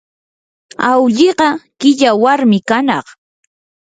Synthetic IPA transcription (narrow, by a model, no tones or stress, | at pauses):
awʎɪɢɑkɪʎawaɾmɪkanɑq